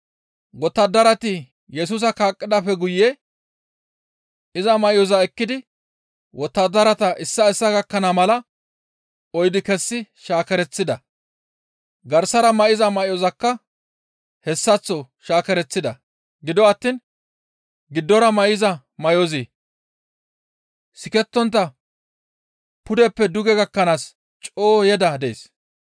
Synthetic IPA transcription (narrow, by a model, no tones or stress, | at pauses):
wɔt̪ːɐd̪ɐɾɐt̪ɪ | jɛs̬uːs̬ɐkaːkʼːɪd̪ɐfɛɡʊje | ʔɪzɐmɐʔɪjɔzɐɛkːɪd̪ɪ | wɔt̪ːɐd̪ɐɾɐt̪ɐʔɪsːɐɛsːɐɡɐkːɐnɐmɐlɐ | ɔjd̪ɪkɛsːɪʃaːkɛɾɛt͡sːɪd̪ɐ | ɡɐɾsɐɾɐmɐʔɪzɐmɐʔɪjɔzɐkːɐ | hɛsːɐt͡sːɔ | ʃaːkɛɾɛt͡sːɪd̪ɐ | ɡɪd̪ɔɐt̪ːiːn | ɡɪd̪ːɔɾɐmɐjɪzɐ | mɐjozi | sɪkɛt̪ːɔnt̪ːɐ | pʊd̪ɛpːɛd̪ʊɡɛɡɐkːɐnaːs | t͡ʃʼoːjɛd̪ɐd̪ɛ̰s